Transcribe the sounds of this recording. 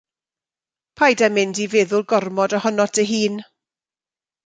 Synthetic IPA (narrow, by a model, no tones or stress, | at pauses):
pʰajdamɪndivɛːðʊlˠɡɔrmɔdɔhɔnɔtʰəɦiːn